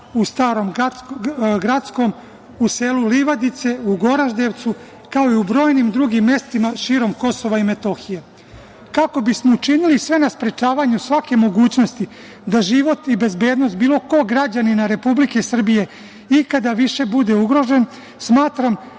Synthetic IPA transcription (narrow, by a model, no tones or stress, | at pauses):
ust̪aːɾo̞m | ɡɾat̪sko̞m | use̞luliʋad̪it̪se̞uɡo̞ɾaʒd̪eʋt̪su | kao̞iubɾo̞ːjnimd̪ɾuɡimːe̞st̪imaʃiːɾo̞mko̞so̞ʋaime̞t̪o̞xije | kako̞bismo̞ut͡ʃinilisʋe̞naspɾe̞t͡ʃaːʋaɲusʋake̞mo̞ɡuːt͡ɕno̞st̪i | d̪aʒiʋo̞t̪ibe̞zbe̞ːd̪no̞st̪̚biːlo̞ko̞ɡɾad͡ʑaninaɾe̞publike̞sr̩bije̞ | ikad̪aʋiʃe̞bud̪e̞uɡɾo̞ʒe̞n | smaːt̪ɾam